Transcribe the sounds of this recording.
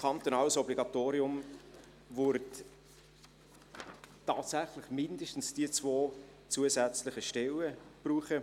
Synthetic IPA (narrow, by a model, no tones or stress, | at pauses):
kʰɑnt̪onɑːləsɔbliɡɑt̪oːɾiʊm | vʊɾt | tːɑːtsæχlɪχmɪndəʃtn̩sd̥iət͡svoː | t͡suəzɛt͡slɪχəʃtɛləb̥ruːχə